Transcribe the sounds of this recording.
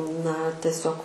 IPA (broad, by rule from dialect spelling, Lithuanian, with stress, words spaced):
nɐ tʲɛˈsʲoːk